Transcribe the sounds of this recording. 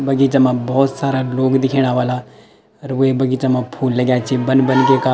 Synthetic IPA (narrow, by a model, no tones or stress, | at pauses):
bɐɡit͡ʃamãbɔːt̪saːɾaloːɡd̪ɪkʰeːɽ̃aʋaːla | ɾʋebɐɡiːt͡ʃamãpʰuːlːɐɡjat͡ʃʰibənbənkeka